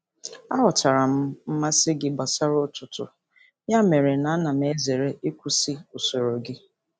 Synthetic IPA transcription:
a˦ɦʊ˨ta˨ɾa˨m̩˦m̩˦ma˦sɪ˦ɡɪ˦ba˨sa˦ɾʊ˦tʊ˨tʊ̰˨ | ja˦me˨ɾe˨na˨a˦na˨m˦e˦ze˨ɾe˦e˦kʷu˦sɪ˦o˨so˨ɾo˨ɡɪ˦

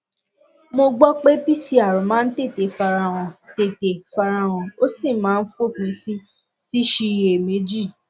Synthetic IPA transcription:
mo˧ɡ͡bɔ˦k͡pe˦pi˦˨si˦a˨ɾũ˨mãː˦n̩˦te˦˨te˨fa˧ɾa˧w̃ɔ̃˨te˨te˨fa˧ɾa˧w̃ɔ̃˨o˦si˦˨mãː˨˦n̩˦fo˦˨kĩ˧˦si˦ | si˦ʃi˧je˨me˨˦d͡ʒi˦˨

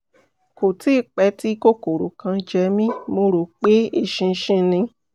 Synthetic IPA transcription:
ko˨ti˦˧˨k͡pɛ˧˦ti˦ko˦ko˨ɾo˨kã˧d͡ʒɛ˧mĩ˦mo˧˦ɾo˨˦k͡pe˦e˧ʃĩ˧ʃĩ˧nĩ˧

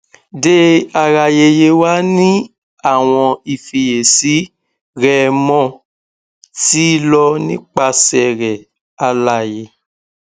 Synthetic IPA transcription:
de˦a˧ɾa˧˨je˧je˧wa˦nĩ˦ | a˦˨w̃ɔ̃˧i˨fi˨je˨si˨˦ | ɾɛ˦˨mɔ̃˦˨ | ti˦lɔ˧nĩ˦k͡pa˧sɛ˨ɾɛ˨ | a˧la˦˨je˧˦

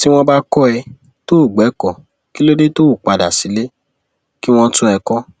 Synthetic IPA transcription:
ti˦w̃ɔ̃˧ba˦kɔ˦ɛ˧ | to˦o˦˨ɡ͡bɛ˨˦kɔ˦˨ | ki˦lo˦de˦to˦˨k͡pa˧da̰˨si˨˦le˦ | ki˦w̃ɔ̃˧tũ˦ɛ˧kɔ˦

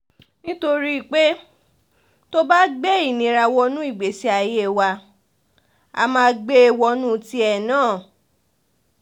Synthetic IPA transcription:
nĩ˦to˧ɾi˦i˨k͡pe˦ | to˦ba˦ɡ͡be˦i˦˨nĩ˨˦ɾa˧wɔ˧nũ˦i˦˨ɡ͡be˨˦si˧˦a˧je˦˨wa˧ | a̰˧mãː˧˦˧ɡ͡be˦˧˨wɔ˧nũ˦ti˦ɛ˦˨nãː˦˨

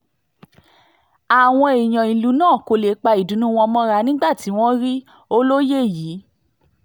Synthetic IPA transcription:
a˨w̃ɔ̃˧e˨j̃ɔ̃˨ĩ˨lu˨˦nãː˦˨ko˧le˨˦k͡pa˧i˨dũ˨˦nũ˦w̃ɔ̃˧mɔ̃˦ɾa˧nĩ˦ɡ͡ba˦˨ti˨˦w̃ɔ̃˦ɾi˦ | o˦lo˦je˦˨ji˨˦

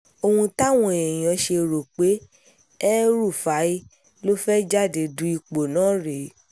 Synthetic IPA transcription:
o˧hũ˧ta˦˨w̃ɔ̃˧˨e˨j̃ã˨˦ʃe˧˨ɾo˨k͡pe˨˦ | ɛ˦ɾu˦˨fa˨˦i˦ | lo˦fɛ˦d͡ʒa˦˨de˨dũ˨˦i˧k͡po˨nãː˨˦ɾe˨˦

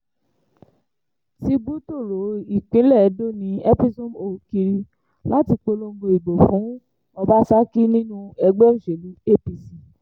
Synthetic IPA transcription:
ti˦bu˦to˦˨ɾo˨˦i˨k͡pĩ˨˦lɛ˦˨ɛ˨˦do˦˨nĩ˧˦ɛ˦pi˦sũ˦mo˨˧ki˧ɾi˧ | la˦ti˧k͡po˧lo˧ŋ̩˦ɡo˧i˨ɡ͡bo˨fũ˨˦ | ɔ˧ba˦sa˦ki˦nĩ˦nũ˦ɛ˧ɡ͡bɛ˦o˦˨ʃe˨li˨˦e˦pi˧sĩ˨

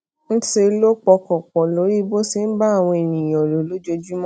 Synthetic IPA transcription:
n̩˦se˧˦lo˦k͡pɔ˧kɔ˨k͡pɔ˨lo˨˦ɾi˦bo˦si˧n̩˦ba˦a˦˨w̃ɔ̃˧e˨nĩ˨j̃ɔ̃˨lo˨lo˨˦d͡ʒo˧d͡ʒu˦mɔ̃˦

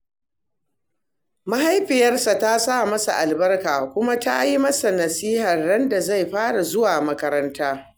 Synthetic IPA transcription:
ma˦ɦa˦jɸɪ˨jɐ˦rsa˨ta˦sa˦˨mɐ˦sa˨ʔa˨lbɐ˦rkaː˨kʷʊ˦ma˦ta˦ʔa˦ji˦mɐ˦sa˨nɐ˨siː˦hɐ˨rːɐ˦nda˨za˦˨jɸaː˦ɽa˨zʊ˦waː˨mɐ˦kɐ˦ɾɐ˦ntaː˦

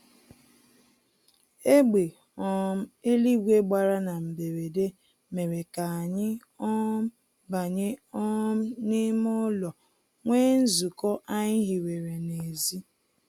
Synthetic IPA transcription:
e˦ɡ͡be˨ | ɔ˦m̩˦e˦li˦ɡʷe˦ɡ͡ba˨ɾa˦na˨m̩˨be˨ɾe˨de˦ | me˨ɾe˨ka˨a˨ɲɪ˦ | ɔ˦m˦ | ba˨ɲɪ˦ɔ˦m̩˦nɪ˦mʊ˦lɔ˨ | ŋʷeː˦n̩˦zu˨kɔ˦ʔa˦ɲɪ˦ɦi˨ɾe˨ɾe˨ne˨zi˦

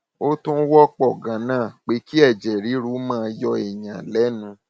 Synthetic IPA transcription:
o˦tũ˦wɔ˦k͡pɔ˦˨ɡã˨nãː˦˨k͡pe˧˦ki˦ɛ˦˨d͡ʒɛ˨ɾi˨˦ɾu˦mãː˦˧jɔ˧ɛ˨ɲã˨lɛ˨˦nũ˧

